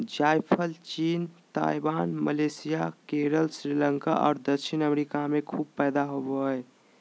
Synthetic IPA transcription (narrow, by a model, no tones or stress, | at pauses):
d͡ʒajpʰəlt͡ʃiːnt̪a̰ibaːnməlesijakeɾəlsɾiləŋka̰ʔɔ̰ːɾd̪əkʃinəmeɾikamekʰuːb̚pɛːd̪aɦoboɦəj